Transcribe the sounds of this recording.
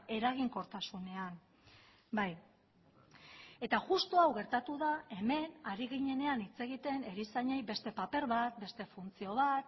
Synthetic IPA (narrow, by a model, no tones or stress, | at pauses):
e̞ɾaɣ̞iŋko̞ɾt̪asune̞an | baj | e̞t̪aʝust̪oawɣe̞ɾt̪at̪uðae̞me̞naɾiɣiɲe̞ne̞anit͡se̞ɣit̪e̞ne̞ɾisaɲejbe̞st̪e̞pape̞ɾβat̪̚be̞st̪e̞funt͡sio̞β̞at̪